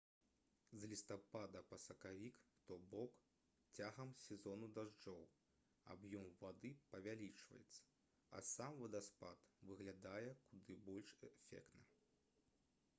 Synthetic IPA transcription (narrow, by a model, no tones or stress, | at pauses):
zʲlʲist̪apad̪ɐpɐsɐkavʲikt̪ɔbɔk | t͡sʲaɣɐmsʲɛzɔnud̪aʐd͡ʐɔw | a̰bjɔmvad̪ɨpɐvʲalʲit͡ʂvɐ̰jɛt̪sːɐ̥ | ɐ̰samvɐd̪ɐspa̰t̪vɨɣlʲad̪ajɛkud̪ɨbɔlʲʂɛfʲɛ̰kt̪nɐ